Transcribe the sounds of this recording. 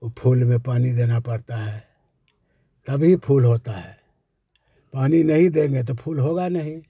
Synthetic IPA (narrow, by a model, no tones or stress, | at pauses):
pʰuːlmẽpaːnid̪eːnapəɾt̪aɦɛ | t̪ɐbʱipʰuːlɦot̪aɦɛː | paːninəɦĩd̪eŋɡet̪̬opʰuːlɦoɡanəɦĩ